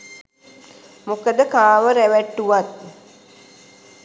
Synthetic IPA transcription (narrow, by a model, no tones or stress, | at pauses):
mokəd̪əkaːʋəɾæʋæʈːuʋat̪̚